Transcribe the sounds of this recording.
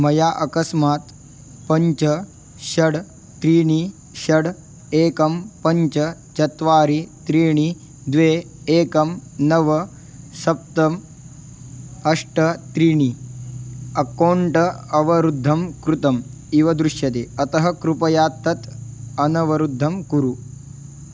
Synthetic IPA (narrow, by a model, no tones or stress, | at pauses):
mɐjaːʔɐkɐsmaːt̪ | pɐɲt͡ʃɐ | ʃɐɽː | ɾiːɳi | ʃɐɽ | eːkɐmpɐɲt͡ʃɐ | t͡ʃɐt̪ʋaːɾit̪ɾiːɳ̃i | d̪ʋeː | eːkɐmnɐʋɐ | sɐp̚t̪ɐm | ɐʂʈɐt̪ɾiːɳ̃i | ɐkoːɳʈɐɐʋɐɾud̪ʱːɐmkɾut̪ɐm | iʋɐd̪ɾuʃjɐt̪eːɐt̪ɐɦɐkɾupɐjaːt̪ːɐt̪ɐnɐʋɐɾud̪ʱːɐmkuɾu